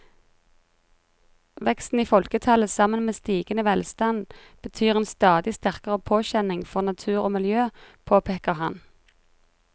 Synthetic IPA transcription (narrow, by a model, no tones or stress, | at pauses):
ʋɛkst̪n̩iːfɔlkət̪ʰɑləsɑmənmeːst̪iːɡ̥ənəʋɛlst̪ɑn | b̥ət̪ʰyːʁeːnst̪ɑːd̪ɪst̪æʁkəʁəpʰoːçɛnɪŋfɔʁnɑt̪ʰʉːʁoːmɪljøːpʰoːpʰeːkəʁhɑn